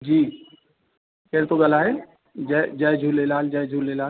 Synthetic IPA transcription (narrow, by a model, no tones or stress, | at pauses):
d͡ʒiː | kɛɾt̪oɡɐlaːɦe | d͡ʒɛd͡ʒad͡ʒʱulelaːld͡ʒajd͡ʒʱuːlelaː